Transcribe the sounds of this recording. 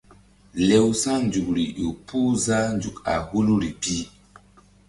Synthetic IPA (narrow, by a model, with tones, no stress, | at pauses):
le˨wsa˦nd͡ʒu˨k̚ɾi˨ju˨pʰu˦za˦nd͡ʒu˨ka̰˨hu˦lu˦ɾi˨pi˦